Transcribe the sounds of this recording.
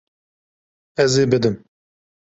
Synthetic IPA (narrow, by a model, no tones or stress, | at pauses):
ɛzeːbɨd̪ɨm